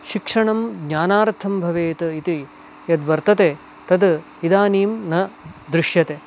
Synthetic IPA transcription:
ʃikʂɐɳɐmɡɲaːnaːɾt̪ʰːɐmbʱɐʋeːt̪ɐit̪i | jɐd̪ʋɐɾt̪ɐt̪e | t̪ɐd̪ | id̪aːniːmnɐd̪ɾɪʂjɐt̪e

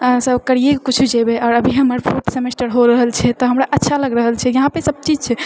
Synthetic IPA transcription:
səbkəɾijekkut͡ʃʰud͡ʒebeɔːɾəbʱiɦəməɾpʰoʈsemesʈəɾɦoɾəɦəlt͡ʃʰɛt̪ɔɦəmɾaʔətːʃʰaləɡɾəɦəlt͡ʃʰɛjəɦãpesəb̚t͡ʃid͡ʒt͡ʃʰɛ

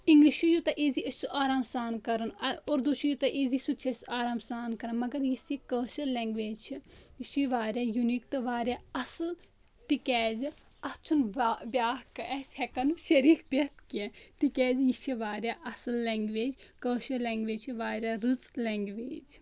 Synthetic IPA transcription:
iŋɡliʃujut̪ɐʔeːziɐst͡ʃʰuʔaːɾaːmsaːnkɐɾɐnoɾd̪uʃijut̪ɐʔeːzisut͡ʃʰesaːɾaːmsaːnkɐɾɐnmɐɡɐɾjisikəːʃɐɾlɛŋɡʋeːd͡ʒt͡ʃʰiiʃiʋaːɾʲjaːjunik̚t̪ɨʋaːɾʲjaːɐsl | t̪ikɛːz | ɐt͡ʃʰunbʲjaːɦkɛshɛkɐnuʃɐɾiːkbɐt̪kiẽt̪ikɛːzjit͡ʃʰiʋaːɾjaːʔɐsɨlːɛːŋɡʋeːd͡ʒkəːʃɐɾlɛŋɡʋeːd͡ʒt͡ʃʰiʋaːɾjaːɾut͡slɛŋɡʋeːd͡ʒ

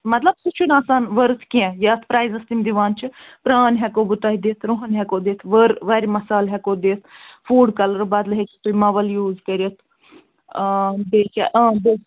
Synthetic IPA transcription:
mɐt̪ləbsut͡ʃʰunaːsaːnʋəɾt̪ʰkĩɛ̃jaːt̪ʰpɾaːizɐst̪imd̪iʋaːnt͡ʃʰpɾaːnɦɛkoːbut̪aːɦid̪eːt̪ʰɾoɦənɦɛkoːd̪eːt̪ʰʋəɾʋaːɾimɐsaːlɦɛkoːd̪eːt̪ʰfʰuːɖkɐləɾbaːd̪lɦekit̪uimɐʋəljuːzkɐɾijət̪ʰ | beːka̰ʔb̪e

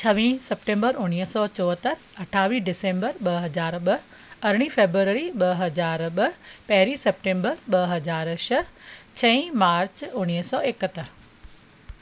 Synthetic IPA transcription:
t͡ɕʰɐʋĩsepʈẽːmbəɾʊñiɦsɔːt͡ɕɔːət̪əɾ | ɐʈʰaːʋiɖɪsẽːmbəɾɓɐɦɐzaːɾɓɐ | ɐɾɽ̃ifeːbɾuəɾəɾiɓɐɦɐzaːɾɓɐpɐɦɾisep̚ʈẽːmbəɾɓɐɦɐzaːɾʃɐt͡ɕʰɐ̃ĩmaːɾt͡ɕʊñiɦsɔːekət̪əɾ

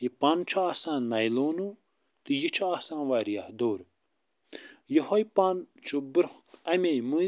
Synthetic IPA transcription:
jipaːnt͡ʃʰuaːsãːnɐjloːnu | t̪ɨjit͡ʃʰuaːsãːnʋaːɾijaːhd̪oːɾ | jihojpaːnt͡ʃʰubɨɾɐmʲejmɨ

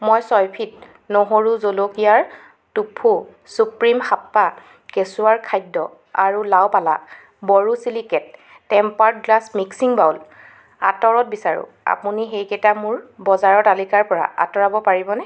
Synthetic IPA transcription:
mɔjsɔjpʰit̚ | noɦoɹuzolokijaɹ | tupʰːu | supɹimxapːa | kesuaɹkʰajdːɔ | aɹulawpala̰ | bɔɹusilikɛt̚ː | ɛmpaɹtɡlasmiksiŋbawl | atɔɹɔt̚bisaɹʊ̰̃ | a̰puniɦejkɛtamʊɹbɔzaɹɔtalikaɹpɔɹa̰ʔa̰tɔɹabɔpaɹibɔnɛ

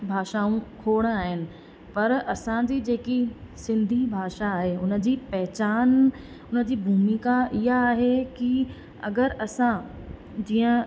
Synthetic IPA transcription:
bʱaːʃaːũkʰoːɽ̃aːɦɪnɪ̆ | pɐɾɐsãd͡ʑid͡ʑeːkisɪ̃nd̪ʱibʱaːʃaːɦeʊnə̆d͡ʑiːpɛɦɪt͡ɕaːn | ʊnə̆d͡ʑiːbʱuːmikaɪɦaːɦeki | ɐ̰ɡəɾɐsã | d͡ʑiːə̃

